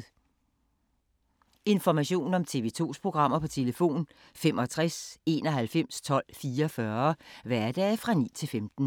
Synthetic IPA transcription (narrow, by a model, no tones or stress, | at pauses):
e̝nfɒmæɕo̝̰ːn̩ɒ̽mt͡sʰe̝̰ʋe̝ːt͡sʰo̝̰ːspʰʁo̝ɡ̥ʁɑ̈m̰ɐpʰɒ̽t͡sʰe̝ləfo̝̰ːn | femʔɒ̽t͡sʰʁase̝ːnɒ̽ɦælfem̰st͡sʰɒ̽l̰fiːɐfɶɐʋæɐd̥ɛːfʁɑ̈nḭːt͡sʰe̝lfemd̥n̩